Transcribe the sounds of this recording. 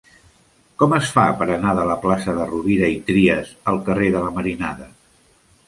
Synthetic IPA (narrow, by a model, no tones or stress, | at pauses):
kɔməsfapəɾənaðələplasəðəruβiɾəit̪ɾiəzəlˠkəreðələməɾinaðə